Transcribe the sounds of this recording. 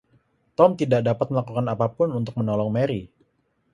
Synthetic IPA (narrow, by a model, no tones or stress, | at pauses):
t̪ɔmt̪idaʔdapat̪̚məlakukanapapʊnunt̪ʊk̚mənɔlɔŋmeɾi